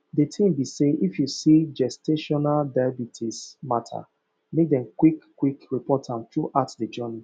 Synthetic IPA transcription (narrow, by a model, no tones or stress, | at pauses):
detʰĩmbiseʔifjusid͡ʒɛstʰeʃɔnaldabitʰismatʰa̰ | mek̚dɛ̃mkwikːwikɹipɔtʰãntuʔatded͡ʒɜni